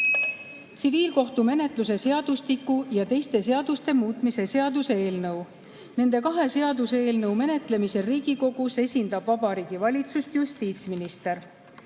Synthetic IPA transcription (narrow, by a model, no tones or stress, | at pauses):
t̪siviːlko̞ht̪ume̞ne̞t̪ˑlus̬e̞se̞ɑd̪̥ust̪ikːˑujɑt̪e̞jst̪e̞se̞ɑd̪̥ust̪e̞muːt̪ˑmise̞se̞ɑd̪useeːlnɤw | ne̞nd̪̥e̞kɑɦe̞se̞ɑd̪useeːlnɤwme̞ne̞t̪ˑle̞mise̞ɾiːɡ̥iko̞ɡ̥use̞sʲind̪̥ɑb̥vɑbɑɾiːɡ̥ivɑlʲit̪sust̪just̪iːt̪sminist̪e̞r